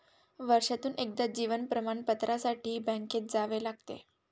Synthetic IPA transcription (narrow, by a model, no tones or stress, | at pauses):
ʋəɾʂat̪uːnʔek̚d̪ad͡ʑiʋənpɾəmaɳpət̪ɾasaʈʰiːbə̃ŋket̪̚d͡zaʋelaɡt̪ḛ